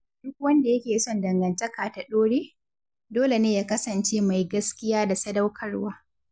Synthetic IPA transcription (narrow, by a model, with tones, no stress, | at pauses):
d̥ʊ˦k̚wɐ˦nda˨jɐ˦kʲeː˨sɔ˦ndɐ˨ŋɡɐ˨ntɐ˦kaː˨ta˨ɗoː˦ɽeː˦ | doː˦le˨neː˦jaː˦kɐ˦sɐ˨nt͡ʃeː˦ma˨jɡɐ˦skʲɪ˦jaː˦da˨sɐ˦dɐ˦wkʰɐ˦rwaː˦